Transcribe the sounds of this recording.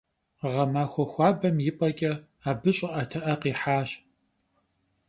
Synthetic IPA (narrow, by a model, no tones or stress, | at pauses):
ʁɐmaːxʷɔxʷɑːbɐmjɪpʼɐkʲʼɐ | aːbɨɕʼɐʔɐtʰɐʔɐqiːħaːɕ